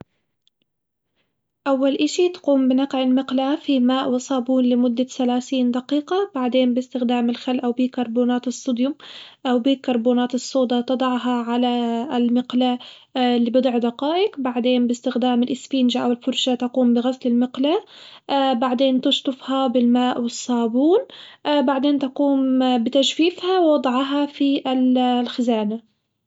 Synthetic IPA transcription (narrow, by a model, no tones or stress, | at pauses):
ʔawːalʔaʃit̪ḁquːmbɪnɑqʕɪlmɪqlafimaːʔwɪsˤɑːbuːnlɪmʊd̪ːasalaːθiːnd̪ɑqiːqɑbaʕd̪eːnbɪst̪ɪxd̪aːmɪlxalʔawbiːkɑɾˤboːnaːt̪ɨsˤːud̪jʊmʔawbiːkːɑɾˤbuːnaːt̪ɨsˤːoːd̪ɑt̪ɨd̪ˤɑʕɦɑʕalalmɪqla | lːiːbɨd̪ˤʕd̪ɑqɑːʔɪkbaʕd̪eːnbɪst̪ɪxd̪aːmɪlʔɪsfiːnʒaʔawɪlfʊɾˤʃat̪aquːmbɪɣaslɪlmɪqlaʔbaʕd̪eːnt̪ɪʃt̪ˤʊfhɑbɪlmaːʔwɪsˤːɑːbuːnʔbaʕd̪eːnt̪aquːmbɪt̪aʃfiːfhawwɑd̪ˤʕɑɦɑfiʔɪllxɪzaːna